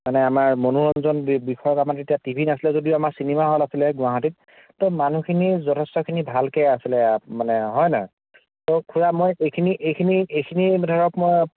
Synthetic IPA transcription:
manɛamaɹmonuɹɔnzɔnbixɔjɔkamaɹetijatibʱinasilɛzodioamaɹsinimaɦolasilɛɡʊaɦatit̚ | tɔmanukʰinizɔtʰɛstɔkʰinibʱalkɛjasilɛmanɛɦɔjnaɔ | tɔkʰuɹamojekʰiniʔejkʰiniejkʰinidʱaɹɔkmoj

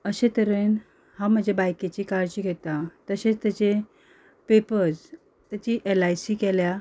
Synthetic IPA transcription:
əɕet̪əɾen | ham̤əd͡ʑʱebajket͡ɕiːkaɾd͡ʑiːɡʱet̪at̪əɕet͡st̪jat͡ɕe | pepəɾd͡z | t̪jat͡ɕiːʔelajsiːkelja

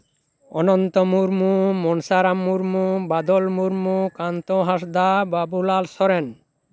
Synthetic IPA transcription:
ɔnɔnt̪ɔmuɾmumɔnsaɾamːuɾmubad̪ɔlmuɾmukant̪oɦaʃd̪ababulalsɔɾen

